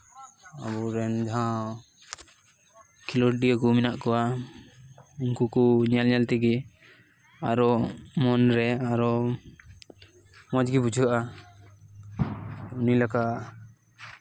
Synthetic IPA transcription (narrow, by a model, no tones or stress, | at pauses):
a̰bɔɾɛnd͡ʒaɦã | kʰilɔɖiɔkuminaʔkɔwa | uŋkukɔɲɛlɲɛlt̪ɛɡɛ | aɾɔmɔnɾɛaɾɔ | mɔd͡ʒɡibud͡ʒʱuʔa | unilakaʔ